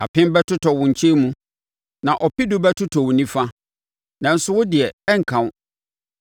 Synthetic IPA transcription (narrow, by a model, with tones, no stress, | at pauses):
a˨pʰɪ̃˦mbɛ˦tʰʊ˦tʰɔ˨wʊ̃˨ɲ̩˨t͡ɕʰɛ˦mũ˦ | nã˨ʔɔ˨pi˦dʊ˨˦bɛ˦tʰʊ˦tʰɔ˨wʊ˨nĩ˦fa˦ | nã˨n̩˦sʊ˦wʊ˦dɪ˨ɛ˨ɛ˦ŋ̩˨kʰã˨˦